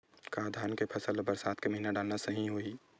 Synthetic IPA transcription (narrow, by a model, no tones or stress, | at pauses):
kaːd̪ʱaːnkepʰəsəlbəɾsaːt̪ʰkeməɦinaɖaːlnasɐɦĩɦoːiː